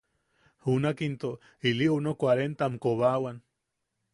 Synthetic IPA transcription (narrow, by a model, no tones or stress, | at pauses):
hunakint̪o | iliʔunokwaɾent̪amkoβawan